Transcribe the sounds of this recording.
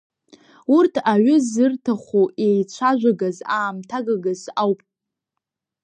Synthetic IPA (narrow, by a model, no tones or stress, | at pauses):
urtʰaɥʊzɨrtʰaχʷoʔejt͡ɕʷʰaʒʷᶣaɡazaːmtʰaɡaɡazawpʼ